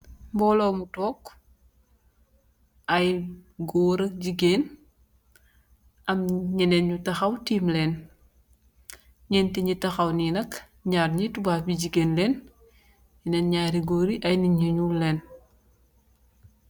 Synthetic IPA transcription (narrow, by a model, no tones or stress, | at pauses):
mbɔlomutɔːk | ʔɐjɡɔɾɐk̚ɟiɡen | ʔɐmɲɛnɛnɲutɐxɐwtiːmlɛːn | ɲɛntiɲitɐxɐwninɐk | ɲaːrɲitubaːbiɟiɡenlɛːn | ɲinɛnɲaːɾiɡoːɾiʔɐjniɲuɲulɛːn